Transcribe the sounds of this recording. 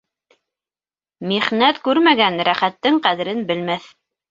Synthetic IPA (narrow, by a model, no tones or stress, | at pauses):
miχnæt̪kʉɾmæɡænɾæχæt̪ːɘŋqæðɘ̆ɾɘnbɘ̆lmæθ